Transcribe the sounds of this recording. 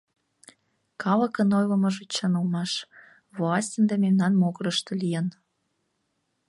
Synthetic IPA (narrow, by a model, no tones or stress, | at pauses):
kɑlə̆kə̆nojlə̆mə̆ʒet͡ɕənəlmɑʃ | voɑsʲtʲənd̪ememnɑnmoɣəɾəʃt̪ɤ̆lijən